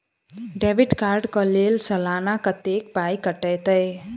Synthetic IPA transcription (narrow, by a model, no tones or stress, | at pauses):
ɖebiʈkaɾɖkəlelsəlanakət̪ek̚pajkəʈəjt̪əj